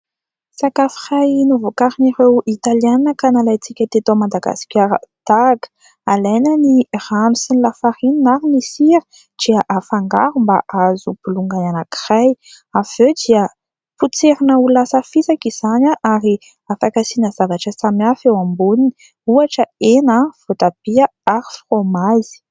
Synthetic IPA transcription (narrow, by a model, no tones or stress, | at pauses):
sakafi̥rajnuvukaɾiniɾewʔit̪alianəkanalajt͡sikʲət̪et̪omad̪aɡa̰si̥kʲaɾə̰d̪̥aɡə̥ | alajnəniramisinilafaɾininaɾinisiɾi̥ | d̪̥iəʔafaŋɡa̰ɾumba̰ʔazupuluŋɡananaki̥raj | av̥ewd̪iə | put͡seɾinəulasəfit͡sakiz̥anaʔaɾi | afakasinəz̥avaʈ͡ʂəsamafewambunini | uaʈ͡ʂəenəv̥ot̪abiəaɾifromazi̥